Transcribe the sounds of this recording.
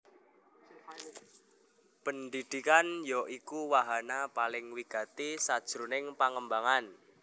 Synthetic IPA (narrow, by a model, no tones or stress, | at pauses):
pəndid̪̥ikanjɔʔikuwaɦanapalɪŋwiɡ̥a̤t̪isad̥ʒ̥ɾṳnɪŋpaŋəmbaŋan